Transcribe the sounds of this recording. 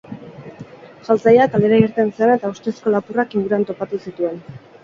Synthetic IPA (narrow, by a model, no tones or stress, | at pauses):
ʝalt͡sajakale̞ɾaiɾt̪e̞nseane̞t̪aust̪esko̞lapurakiŋɡuɾant̪o̞pat̪usit̪ue̞n